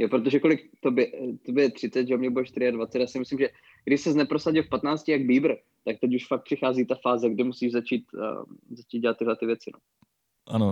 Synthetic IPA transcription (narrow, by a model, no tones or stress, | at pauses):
jopɾo̞t̪o̞ʒɛko̞lɪkt̪obɪɛt̪obɪɛt̪r̥ɪtt͡sɛt̪ʒɛomɲɛbudɛʃt̪ɪɾɪadvatt͡sɛt̪jaːsɪmɪslimʒɛ | ɡdɪʃsɛznɛpɾosaɟɪlfpat̪naːt͡scɪjaɡbiːbɾ̩ | t̪ak̚t̪ɛcuʃfak̚t̪̚pr̥ɪxaːziːt̪afaːzɛɡdɪmusiːʒzat͡ʃiːt̪zat͡ʃiːt̪ɟɛlat̪ːɪɦlɛt̪ɪvjɛt͡sɪno̰ | ʔa̰no